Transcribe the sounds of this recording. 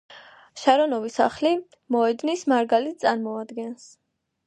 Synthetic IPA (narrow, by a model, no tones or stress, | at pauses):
ʃaɾɔnɔvisa̰χli | mɔɛd̪nismaɾɡalit̪̚sʼaɾmɔad̪ɡɛns